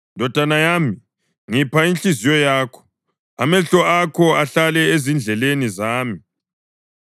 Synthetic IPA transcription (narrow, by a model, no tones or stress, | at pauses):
ndʱɔd̥ʱanajami | ŋipʰaint͡ɬizijɔjaːkʰɔ̥ | a̰mɛɬɔakʰɔaɬalɛezind͡ɮʱɛlenizaːmi